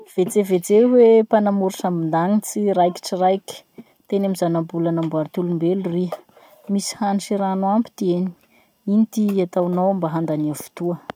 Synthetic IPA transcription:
v̥et͡sevet͡sewepanamuɾusamind̪aŋit͡siɾajki̥ʈ͡ʂirajkʲi̥ | t̪enamizanabulanambaɾit̪ulumbeluriə | misi̥haniʃiɾanuampi̥t̪ieni̥ | init̪iat̪awnawambaɦand̪aniavu̥t̪uə

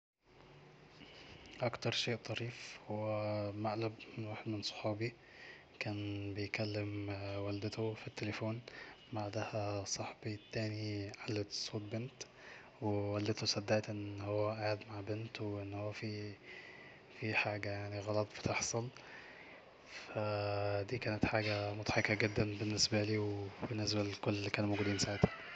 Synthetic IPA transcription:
ʔɑkt̪ɑɾˤʃeːʔt̪ˤɑɾiːfhowːæmaʔlæbmɪnwaħd̪mɪnsˤo̥ħɑːbi | kæːnbejkælːɪmwæld̪ɪt̪ofit̪ːelefoːn | baʕd̪æhæsˤɑħbit̪ːæːniʕalːet̪sˤoːt̪̚ˤbɪnt̪ | wewæld̪et̪osˤæd̪ːæːt̪ʔenːhowːæʔaʕed̪maʕbent̪wʔenːhowːæfi | fiħaːɡæjaʕniɣɑlɑt̪ˤbe̥t̪eħsˤɑl | fæd̪iːkæːnet̪ħaːɡæmot̪ħɑkːæɡed̪ːænbenːesbæliːwebenːes̬bælkolːelːikæːnumowɡuːd̪iːnsaʕet̪hæ̥

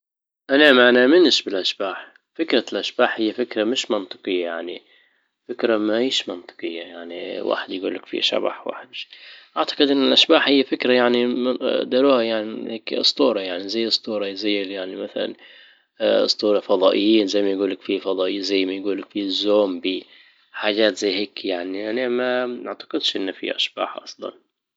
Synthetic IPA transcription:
ʔanamanamɪnʃbɪlʔaʃbaːħ | fɪkɾalʔaʃb̥aːħhɪjːafɪkɾamɪʃmɑnt̪ˤɨ̥qɨjːajaʕni | fɪkɾamaʕiːʃmɑnt̪ˤɨ̥qɨjːajaʕniwʔa̰ːħɪd̪jɡuːlːakfḭʃa̰ba̰ħwa̰ːħɪd̪ʃʔaʕt̪ḁqɪd̪ʔɪnːɪlʔaʃbaːħhɪjːafɪkɾajaʕnid̪ɑɾuːhajaʕniheːksˤt̪ˤuːɾˤɑjaʕnizajːɨsˤt̪ˤuːɾˤɑjzajːɪljaʕnimaθala̰n | sˤt̪ˤuːɾˤɑfɑd̪ˤɑːʔɪjːiːnzajːmajɡuːlːakfifɑd̪ˤɑːʔːzajːmajɡuːlɪkfizːoːmbi | ħaːʒaːt̪zajːheːkjaʕniʔanamanaʕt̪ɑ̥qɪd̪ʃʔɪnːfḭʔa̰ʃb̥a̰ːħʔɑsˤlɑ̰n

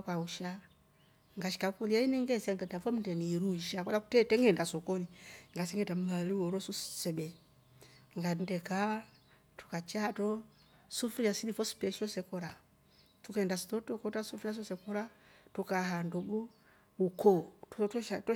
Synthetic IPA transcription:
kauʃa | ŋɡaʃi̥kakuliainɛŋɡɛsaŋɡɛtafɔm̩dɛniɾuiʃakwalakutɛtɛŋɡɛndasɔkɔniŋɡasɛŋɡɛtam̩ŋaliwɔɾɔsussɛbɛ | ŋɡandɛkaa | tu̥kat͡ʃatɔ | sufuɾijasilifɔsi̥pɛʃɔsɛkɔɾa | tukandasitɔtɔkɔtasufuɾias̬ɔsɛkɔɾatukaɦandɔɡɔ | ukɔttɔʃatɔ

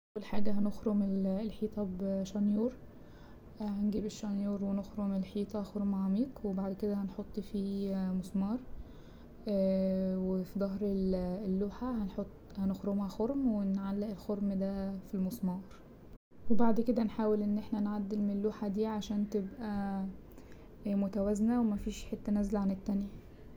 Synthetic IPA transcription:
ʔʔæwælħaːɡæɦænoxɾomellħiːt̪ˤɑbʃɑnjuːɾ | hænɡiːbeʃːɑnjuːɾwenoxɾomelħiːt̪ˤɑxoɾmʕɑmiːqwebaʕd̪ked̪æhænħot̪ˤːfiːmosmɑːɾˤ | wefid̪ˤɑɦɾelːuːħahænħot̪ˤːhænexɾomæxoɾmwenʕalːæʔelxoɾmd̪æfilmosmɑːɾˤ | webaʕd̪ked̪ænħaːwelʔenːʔeħnænʕad̪ːelmnelːuːħad̪iːʕaʃæːnt̪ebʔæ | mot̪æwæznæwemæfiːʃħet̪ːænæzælʕanet̪ːænjæ

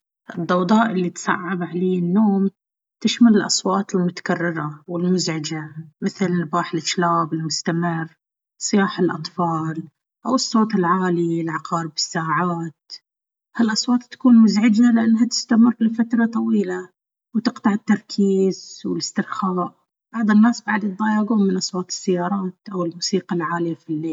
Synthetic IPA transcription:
ʔɨd̪ˤːɑwd̪ˤɑːʔɪlːit̪sˤɑ̰ʕːabʕaleːɪnːoːm | t̪ɪʃmalɪlʔɑ̰sˤwɑːt̪ˤɪlmʊt̪ḁkarːɪɾˤawɪlmʊzʕɪd͡ʒamɪθɪlnbaːħɪlʔɪʃlaːbɪlmʊst̪amɪrː | sˤɨjaːħɪlʔɑ̰t̪ˤfɑːl | ʔawɨsˤːoːt̪ˤɪlʕaːlilʕɑqɑːɾɪbɪsːaːʕaːt̪̚ | halʔɑsˤwɑːt̪ˤːḁkuːnmʊzʕɪd͡ʒalɪʔanːɦat̪ɪ̥st̪amɪrːlɪfat̪ɾˤɑt̪ˤɑwiːla | wt̪ɨqt̪ˤɑʕɪt̪ːɑɾˤkʰiːzwɪlɪst̪ɪɾxaːʔ | b̥ɑʕðˤɪnːaːsbaʕd̪jɪt̪̚ˤdˤɑːjaːɡuːmːɪnʔɑsˤwɑːt̪ˤɨ̥sːajːɑːɾˤɑːt̪ʔawɪlmuːsiːqalʕaːlɪjafilːeːl

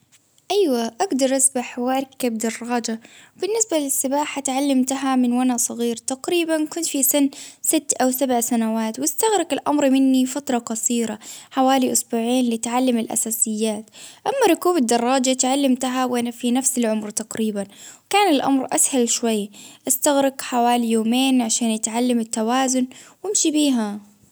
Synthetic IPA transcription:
ʔajwaʔaɡd̪ɑɾˤʔasbaħwʔɑɾˤkːabd̪ɑrˤːɑːd͡ʒab̥ɪnːɪsbalɪsːɪbaːħat̪ʕalːamt̪ɦamɪnwanasˤɑɣiːɾt̪aqɾiːbankʊnt̪fisɪnːsɪt̪ːʔawsabʕsanawaːt̪wɪst̪aɣɾɪɡɪlʔa̰mɾmɪnːifat̪ɾˤɑqɑsˤiːɾaħawaːliʔʊsbuːʕeːnlɪt̪ʕalːamɪlʔa̰saːsɪjːaːt̪ʔamːaɾˤʊkuːbɪd̪ːɑrˤːɑːd͡ʒat̪ʕalːamt̪aɦawʔanafinafsɪlʕʊmɾt̪ɑqɾiːbanwkaːnɪlʔa̰mɾˤʔashalʃwajːʔast̪aɣɾɪɡħawaːlijoːmeːnʕaʃaːnʔat̪ʕalːamɪt̪ːawaːzʊnwɪmʃibiːɦa

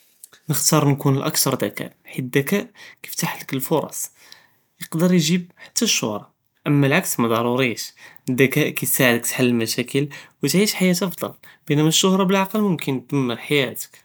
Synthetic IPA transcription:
nəxt̪ɑɾˤnkunəlʔæ̰kt̪ɑɾˤd̪ækæ̰ʔħid̪ækæʔki̥jft̪aħləkəlfoɾˤɑ̰sˤ | jəqd̪əɾˤjʒib̚ħḁt̪ʰːæʃːʊ̰hɾˤɑ | ʔəmːælʕaksmæd̪ˤɑɾˤuɾiʃd̪ːækæʔkæjt̪saʕəd̪ək̚t̪ħalːəlmæʃækəlwət̪ʕiʃħajæt̪ʔɑfd̪ˤɑ̰lb̥ənæmæʃːʊhɾˤɑbəlʕɑqəlmʊmkʰənt̪d̪̥əmːəɾħajæt̪ə̥k

